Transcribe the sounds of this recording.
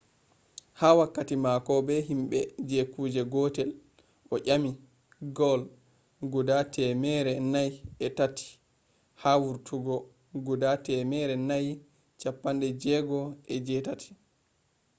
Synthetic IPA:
haːwakːatimakɔbɛɦimɓɛd͡ʒɛkuːd͡ʒɛɡɔːtɛl | ʔɔʔʲami | ɡɔl | ɡudatʰɛmɛɾɛnajɛtatʰi̥ | hawuɾtʰuɡɔ | ɡudatɛmɛɾɛnaj | t͡ʃapːandɛd͡ʒɛɡɔɛd͡ʒɛtatʰi̥

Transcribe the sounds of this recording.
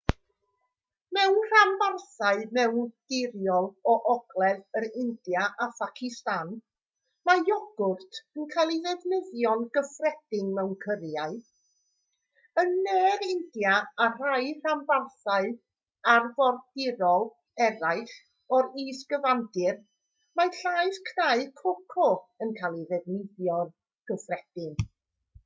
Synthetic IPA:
mɛwnr̥ambarθaɨmɛwnd̥ɪɾjɔlˠɔʔɔɡ̥lˠɛðəɾɪndjaʔafakʰɪstan | majɔɡ̥ʊrtʰənkʰajlˠiðɛvnəðjɔnɡ̥əfrɛd̥ɪŋmɛwnkʰərjaɨ | ənːɛːɾɪndjaar̥ajramvarθaɨ | arvɔrd̥ɪɾɔlˠ | ɛɾaɨχ | ɔɾiːsɡ̥əvandɪr | maɬaɨðkʰnaɨkʰɔkʰɔənkʰaːlˠiðɛvnɪðjɔn | ɡ̥əfrɛd̥ɪŋ

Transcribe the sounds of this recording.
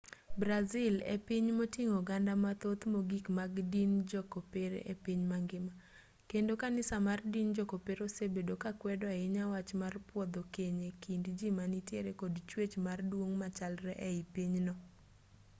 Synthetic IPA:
bɾazɪlḛpiɲmotiŋoɡandamat̪ot̪moɡikmaɡdind͡ʒɔkopeɾ̰ʔepiɲmaŋɡɪma | kendokanɪsamardind͡ʒɔkopeɾosebedokakwɛdɔaɪɲawat͡ʃmarpwɔd̪okeɲekindd͡ʒimanitjeɾekodt͡ʃwet͡ʃmardwoŋmat͡ʃalɾɛʔɛipiɲnɔ

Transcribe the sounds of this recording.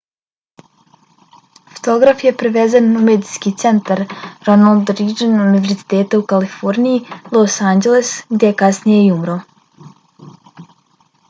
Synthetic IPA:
fo̥t̪o̞ɡɾafje̞pɾeʋezanumed̪iskit̪se̞nt̪aɾɾonalˠd̪ɾid͡ʒenuniʋe̞ɾzi̥t̪eːt̪aukalifo̞ɾnijilˠosaːnd͡ʒelesɡd̪ʲjekasnijeiumɾo

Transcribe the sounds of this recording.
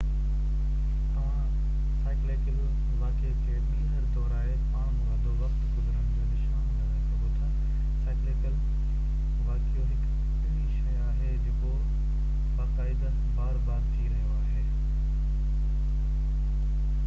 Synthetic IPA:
t̪ɐʋ̤ã | saːɪklekəl | baːkekʰeːɗĩːnɦɐɾd̪ɔːɾaːɦepaːɽ̃mɦaːd̪oʋɐxt̪ɡʊzəɾəɽ̃ɪd͡ʑoːnɪʃaːñ | ʊʈʰə | saːɪkɪkəl | baːkijoɦɪk | ɪnĩʃɐjaːɦed͡ʑɐko | baːkaːɪd̪a | baːɾbaːɾt̪iɾɐɦijõaːɦeː

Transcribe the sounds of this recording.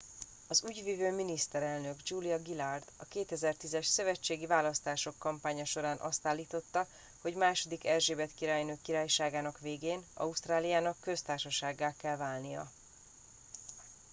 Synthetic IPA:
ɒzuːɟvivøːminist̪ɛɾɛlnø̞ɡd͡ʒuːlijɒɡilard̪ɒkeːt̪ɛzɛrt̪izɛʃsø̞vɛt͡ʃːeːɡivaːlɒst̪aːʃo̞kːɒmpaːɲɒʃo̞ɾaːnʔɒ̰st̪aːlːiːt̪o̞t̪ːɒ | ho̞ɟmaːʃo̞d̪ikɛrʒeːbɛt̪kiɾaːjnøːkːiɾaːjʃaːɡaːnɒkʋeːɡeːnɒ̰ust̪raːlijaːnɒkːø̞st̪aːrʃɒʃaːɡːaːkɛlvaːlnijɒ̰

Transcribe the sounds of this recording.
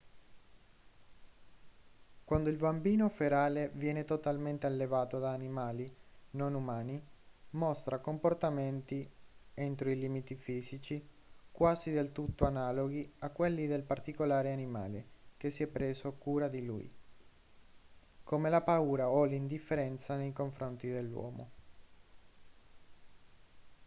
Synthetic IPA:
kwand̪oilbambiːnofeɾaːlevjɛːnet̪ot̪alment̪ealːevaːt̪od̪aːnimaːlinonumaːnimɔst̪ɾakomport̪ament̪iɛnt̪ɾoiliːmit̪ifiːzit͡ʃi | kwaːzid̪elt̪ut̪ːoanaːloɡiakːwelːid̪elpart̪ikolaːɾeanima̰ːlek̟esːiɛpːɾeːzoakːuːɾad̪ilṵj | komelapauːɾaɔlind̪ifːeɾɛnt̪sanejkoɱfɾont̪id̪elːwɔ̰ːmo̰

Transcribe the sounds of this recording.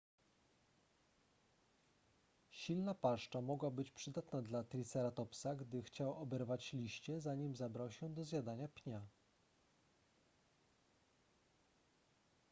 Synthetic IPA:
ɕilnapaʂt͡ʂamɔɡwabɘt͡ɕpʂɘd̪at̪nad̪lat̪ɾʲit̪sɛɾat̪ɔpsaɡd̪ɘxt͡ɕawɔbɛɾvat͡ɕlʲiɕt͡ɕɛzaɲimzabɾawɕɛd̪ɔzʲjad̪aɲapʲɲa

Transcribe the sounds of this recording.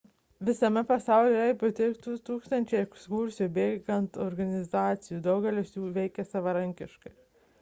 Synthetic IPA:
ʋʲɪsɐmʲɛpɐsɑˑʊlʲejɛpʊt̪ʲɛɪkt̪ut̪uːkst̪ɐnʲt͡ʃʲɛɪɛkskuɾʲsʲɪjubʲeːɡɐnt̪ɔɾɡɐnʲɪzɑːt̪sʲɪjuːd̪ɐʊɡʲɛlʲɪsjuːʋʲɛɪkʲɛsɐʋɐɾɐŋʲkʲɪʃkɐɪ

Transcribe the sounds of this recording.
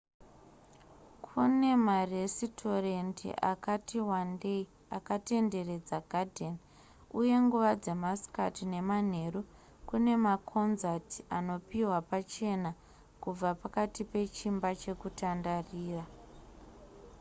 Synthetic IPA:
kʰune̞maresitʰo̞rentḭʔa̰katiwandei | akate̞nde̞re̞d͡zaɡʱadʱen | uje̞ŋɡuʋad͡ze̞masi̥katine̞man̤e̞ru | kune̞makʰo̞nzatiano̞piwapat͡ʃe̞na | kub͡vapakatipe̞t͡ʃimbat͡ʃe̞kutandariːra

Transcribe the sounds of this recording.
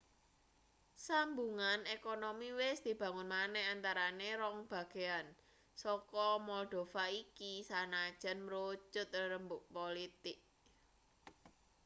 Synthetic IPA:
sambuŋanekonomiwɪsd̪̥i̤b̥ä̤ŋʊnmanɛhant̪aɾaneɾɔŋb̥ä̤ɡ̥e̤an | sɔkɔmɔd̪̥o̤faikisanḁʒ̥a̤nmɾo̥d͡ʒʊt̪̚ɾəmbʊʔ̚polit̪ɪk̚

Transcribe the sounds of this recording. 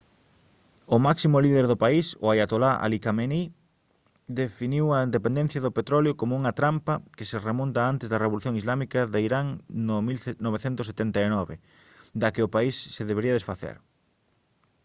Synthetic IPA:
ʊmaksimʊliðeɾðʊpaisʊ̰ajat̪olaʔa̰likameni | d̪efiniwɐind̪epend̪ẽn̟θjɐðopet̪ɾɔljokomʊuŋɐt̪ɾampɐkɪseremõnt̪aant̪ezðɐreβoluθjoŋizlamikɐðaiɾaŋnomilnoβ̞eθent̪ʊset̪ent̪aenɔβe | d̪akɪʊpaisːeðeβeɾiɐðesfaθɛ̰ɾ

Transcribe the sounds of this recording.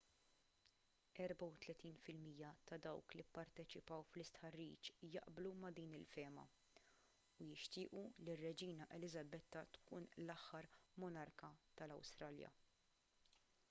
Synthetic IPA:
ɛɾbɐwt̪lɛt̪iːnfɪlmiːjːɐt̪ɐd̪ɐwklipːɐɾt̪ɛt͡ʃɪpɐwflɪst̪ħɐrːḭːt͡ʃjɐ̰ʔblumɐd̪iːnɪlfɛːmɐ̰ | ujɪʃt̪ɪːʔulirːɛd͡ʒiːnɐʔɛlɪzɐbɛt̪ːɐt̪kuːnlɐħːɐɾmɔnɐɾkɐt̪ɐlɐ̰wst̪ɾɐːljɐ̰

